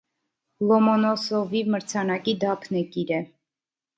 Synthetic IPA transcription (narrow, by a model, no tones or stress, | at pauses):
lɔmɔnɔsɔvivməɾt͡sʰɑnɑkid̪ɑpʰnɛkiɾɛ